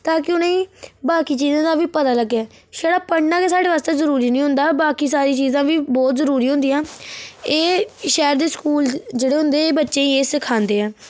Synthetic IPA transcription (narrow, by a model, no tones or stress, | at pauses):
t̪aːkɪʊnẽːbaːkiːt͡ʃiːzãːd̪aːʋiːpət̪aːləɡːɛː | ʃɛːɽaːpəɳnãːkeːsaːɽeːʋaːst̪eːzəɾuːɾiːnĩːɦʊ̃nd̪aːbaːkiːsaːɾiːt͡ʃiːzãːʋiːbɔːt̪zəɾuːɾiːɦʊ̃nd̪ijãːeːʃɛːɾd̪eːskuːld͡ʒeːɽeːɦʊ̃nd̪eːeːbətːʃẽːiːeːsɪkʰaːnd̪eːɛ̃ː